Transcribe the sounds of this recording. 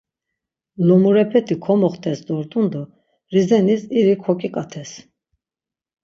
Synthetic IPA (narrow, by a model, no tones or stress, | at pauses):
lɔmuɾɛpʰɛt̪ʰikʰɔmɔχt̪ʰɛsd̪ɔɾt̪ʼund̪ɔ | ɾizɛnisiɾikʰɔkʼikʼat̪ʰɛs